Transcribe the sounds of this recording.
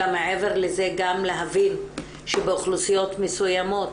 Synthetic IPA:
ameʕe̞veʁleze̞ɡamleɦavin | ʃebeuχlusijo̞t̪mesujamo̞t̪

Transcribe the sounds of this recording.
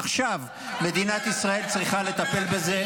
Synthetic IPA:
χʃav | me̞d̪inat̪isʁae̞lt͡sʁiχale̞t̪ape̞lbe̞ze̞

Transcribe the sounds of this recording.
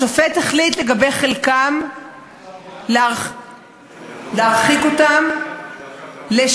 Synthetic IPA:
ofet̪aχlitleɡabe̞jχelkam | lea | leaʁχikotam | le

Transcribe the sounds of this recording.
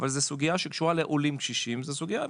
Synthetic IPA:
valzesuɡiaʃekʃuʁaleʔolimkʃiʃimzesuɡija

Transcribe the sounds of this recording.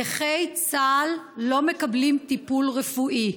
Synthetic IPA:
eχejt͡salː | o̞me̞kablimt̪ipulʁefuʔi

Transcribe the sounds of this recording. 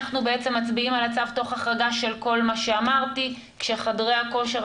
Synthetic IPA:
χnubeet͡se̞mːat͡sbiimalat͡savto̞χaχʁaɡaʃe̞lko̞lmaʃe̞amaʁti | kʃeχadʁeako̞ʃeʁ

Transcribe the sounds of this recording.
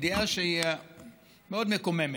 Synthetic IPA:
d̪iaʃeia | meod̪mekomeme

